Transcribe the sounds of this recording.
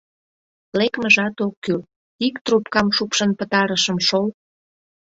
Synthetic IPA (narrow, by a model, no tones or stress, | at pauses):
lekməʒɑt̪okːy | ikt̪rupkɑmʃupʃənpət̪ɑɾəʃəmʃol